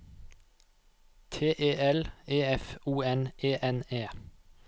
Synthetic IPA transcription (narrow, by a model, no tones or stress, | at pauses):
t̪ʰeːʔeːʔɛleːɛfuːɛnʔeːʔɛneː